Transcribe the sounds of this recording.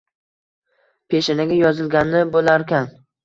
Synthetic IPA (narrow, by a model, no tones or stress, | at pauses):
pʰeʃɪnaɡʲajɒzɪlɡʲanːɪbolˠaɾkʲʰan